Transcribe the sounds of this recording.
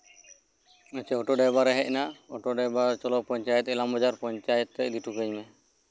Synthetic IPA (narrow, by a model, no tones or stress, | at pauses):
ət͡ʃɛɔʈɔɖɛbaɾɛɦɛc̚naɔʈɔɖɛbaɾt͡ʃɔlɔpɔɲt͡ʃajɛt̪ɛlamɔd͡ʒaɾpɔɲt͡ʃajət̪ːɛʔd̪iʈʰukəjmɛ